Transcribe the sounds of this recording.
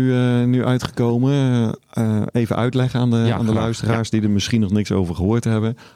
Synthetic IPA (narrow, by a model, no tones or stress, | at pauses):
ynyʔœɥtχə̥kowmə | ejvənʔœ̰ɥtlɛχəaːndəa̰ːndəlœɥstəraːɹsdidəɹmɪsχinɔχnɪkso̰wvəɹχəɦʊːɹtɦɛbən